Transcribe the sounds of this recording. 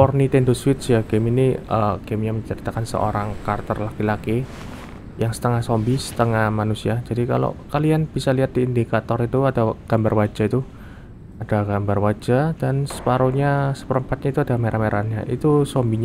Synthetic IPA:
pɔrnit̪endoswɪt̪̚sjaɡeminiəɡ̥emɲaməɲt͡ʃəɾit̪akansə̰ʔo̰ɾaŋkart̪ərlakilaki | jaŋsə̥t̪əŋahsɔmbisə̥t̪əŋahmanusiad͡ʒadika̰lo̰kalianb̥isaliɦat̪̚diːndikat̪ɔɾit̪uadaɡ̥ambarwad͡ʒ̥ait̪u | ad̥aɡambarwad͡ʒad̥ansə̥paɾoɲasə̥pəɾəmpat̪̚ɲait̪uadameɾʔanmeɾʔanɲa̰ʔit̪usɔmbiɲ

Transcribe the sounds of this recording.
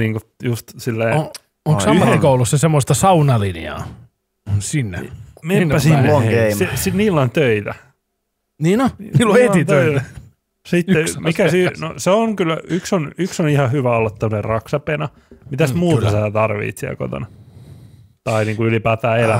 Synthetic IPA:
niːŋkujust̪silːeː | oŋsɑyheikoulusːɑsemːost̪ɑsɑunɑliniɑ̰ː | sinːemenipæsinːsesiniːlːɑnt̪øit̪æ | niːnilːoeit̪øit̪ | sitːemikæsynoseoŋkylːyksonyksonihɑhyʋæolːɑt̪ːomonerrɑksɑpenɑ | mit̪æst̪muːt̪ɑsæːt̪ɑrʋḭːt̪siæ̰lko̰t̪o̰nɑ | t̪ɑiniːŋkuylipæːt̪æːelæ

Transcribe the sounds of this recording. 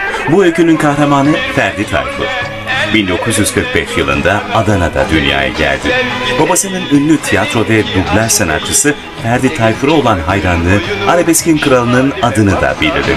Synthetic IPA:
buølʲcʰynynkʰahɾamaːnɯfæɾd̪it̪ʰa̰jfʰṵɾ̥ | bind̪o̞kʰuzjyz̥kʰɯɾk̚bɛʃjɯlˠɯ̰nd̪aad̪anad̪a̰d̪ynja̰ːja̰ɟæ̰lʲd̪ɪbabasɯnɯnynːʲyt̪ʰijat̪ɾo̞vɛbyblʲæɾsena̰t͡ʃʰɯsɯ | fæɾd̪it̪ʰajfuɾo̞lˠanɦajɾanːˠɯːaɾʲebɛscinkɯɾalˠɯnɯnad̪ɯnɯd̪a̰bilʲd̪ḭɾd̪ḭ

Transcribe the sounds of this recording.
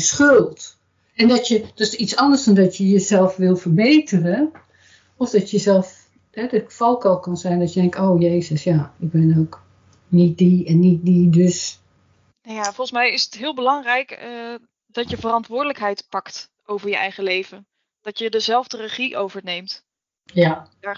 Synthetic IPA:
sχølˠt | ɛndɔtjəd̥ɔstitt͡ssɑndərsdɔndɔtjəjəzɛlˠfʋɪlˠfərbeːtʰərə | ɔfdɔtjəzɛlˠf | hɛdəfɔlˠkɔlˠkɔnzɛjndɔtjədɛŋktoːjeːzəsjaɪɡ̚bɪnoːk | nit̚diɛnːit̚didøs | najafɔlˠsmɛjɪsətɦɪːlˠbəlɑŋrɛjk | d̥ɔtjəvərɑntʋʊːɹdələkɦɛjtpɑktʔowvəɹjəʔɛjχəlejvən | d̥ɔtjədəzɛlˠvdərəχiʔowvəɹneːmt | ja

